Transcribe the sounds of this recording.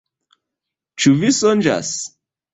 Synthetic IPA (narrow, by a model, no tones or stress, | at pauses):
t͡ʃuvisɔnd͡ʒa̰s